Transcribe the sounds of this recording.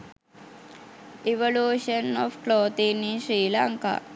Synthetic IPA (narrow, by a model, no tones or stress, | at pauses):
iʋɐluʃɐnɔːfkloːt̪iniʃɾiːlaŋka̰